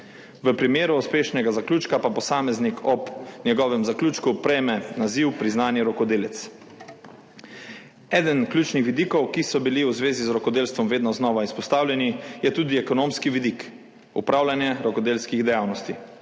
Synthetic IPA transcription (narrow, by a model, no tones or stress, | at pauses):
ʋəpɾimeːɾuuspeːʃnɛɡazaklʲuːt͡ʃkapapɔsaːmɛznikʰɔbnjɛɡɔːʋɛmzaklʲuːt͡ʃkupɾɛjmɛnaziwpɾiznaːnjɛɾɔkɔd̪eːlɛt̪s | ɛːd̪ənklʲuːt͡ʃnixʋid̪iːkɔwkisɔbiliwzʋeːzizɾɔkɔd̪eːlst̪ʋɔmʋeːd̪nɔznɔːʋaispɔst̪aːwlʲjɛnijɛt̪uːd̪iɛkɔnoːmskiʋid̪ik | ṵpɾaːwlanjɛɾɔkɔd̪eːlskiɣd̪ɛjaːwnɔst̪i